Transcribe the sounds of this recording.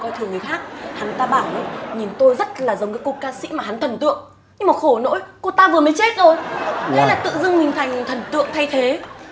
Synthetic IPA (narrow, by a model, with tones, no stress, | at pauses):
kɔ˧jt̪ʰɨ˨˩əŋɨ˨˩əjxaː˦˥k̚ha˨˦nt̪aː˧ɓaː˧˩wʔə˨˧˦ɲi˨˩nt̪o˧jzə˦˥t̚laː˨˩zə˨˦wŋ͡mkaː˨˦jku˧t̚kaː˧sḭ˧˥maː˨˩ɦa˨˦nt̪ʰə˨˩nt̪ɨ̰˧˨əŋ | ɲɨ˧ŋmaː˨˩xo˧˩no̰˧˥jko˧˩t̪aː˧vɨ˨˩əmə˨˦jt͡ɕe˦˥t̚zo˨˩jʔə̰˨˦laː˨˩t̪ɨ̰˧˨zɨ˧ŋmï˨˩ŋ̟t̪ʰa˨˩jŋ̟t̪ʰə˨˩nt̪ɨ̰˧˨əŋt̪ʰa˧jt̪ʰe˨˦